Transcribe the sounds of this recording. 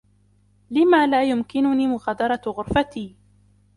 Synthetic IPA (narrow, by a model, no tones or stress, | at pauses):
lɪmaːlaːjʊmkɪnʊniːmʊɣɑːd̪ɑɾˤɑɣʊɾfat̪iː